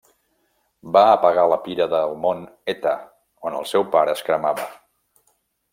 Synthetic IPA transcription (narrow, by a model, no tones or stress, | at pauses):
baəpəɣ̞aləpiɾəðəlˠmonet̪ə | onə̰lˠsɛwpaɾəːskɾəmaβə